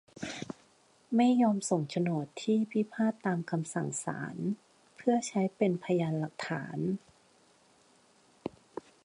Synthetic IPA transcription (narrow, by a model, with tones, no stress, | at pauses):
ma˥˩jːɔː˧mso˨˩ŋt͡ɕʰa˧nu˨˩ət̪ʰːiː˥˩pʰi˦˥pʰaː˥˩t̪ːaː˧mkʰa˧msa˨˩ŋsa̰ː˩˦n | pʰɯ˥˩ɐt͡ɕʰa˦˥jpe˧npʰa˧jaː˧nla˨˩k̚t̪ʰa̰ː˩˦n